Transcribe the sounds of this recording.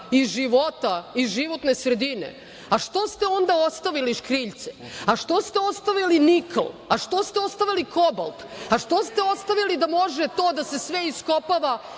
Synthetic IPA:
iʒiʋo̞t̪aizʒiʋo̞t̪nesɾed̪inḛ | aʃt̪o̞st̪eo̞nd̪aost̪aʋiliʃkɾiːʎt̪se̥aʃt̪o̞st̪e̞o̞st̪aʋiliniklaʃt̪o̞st̪eo̞st̪aʋiliko̞ba̰lˠpaʃt̪o̞st̪e̞o̞st̪aʋilid̪amo̞ʒet̪o̞ːd̪ase̞sʋeiskopaʋa

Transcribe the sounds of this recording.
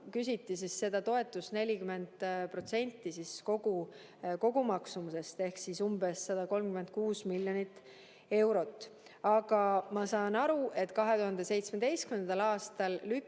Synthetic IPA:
kys̬ʲit̪ːˑisisːe̞d̪̥ɑt̪o̞e̞t̪ːˑusne̞lʲikyme̞nd̪̥pro̞t̪se̞nʲt̪ːˑisisko̞ɡ̥u | ko̞ɡ̥umɑksumuse̞st̪e̞hksisumbe̞sːɑd̪̥ɑko̞lmkyme̞nd̪̥̚kuːsmilʲjonit̪ːˑ | e̞wɾo̞t̪ːˑ | ɑɡ̥ɑmɑsɑːnɑɾuʔe̞t̪kɑɦe̞t̪uɦɑnd̪e̞se̞jt̪sme̞d̪e̞jst̪kymend̪ɑlɑːst̪ɑlly

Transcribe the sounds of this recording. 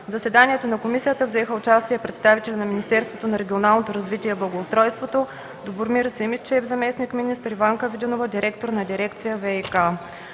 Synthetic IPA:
vzəsɛd̪aniɛt̪onɐkomisijət̪əvzɛxəʊt͡ʃast̪iɛpɾɛt̪st̪avit̪ɛlʲɛnɐminʲist̪ɛɾst̪vot̪onɐɾɛɡʲionalˠnot̪oɾɐzvit̪iɛblˠɐɡoʊst̪ɾɔjst̪vot̪o | d̪oboɾmiɾəsɛimit͡ʃɛvzɐmɛsnikminist̪əɾivaŋkəvid̪inovəd̪ʲiɾɛk̚t̪oɾnɐd̪ʲiɾɛkt̪sijəvɛika

